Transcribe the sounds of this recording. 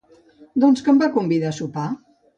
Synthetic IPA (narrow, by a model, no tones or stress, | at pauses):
d̪ɔnskəmbakumbiðasupa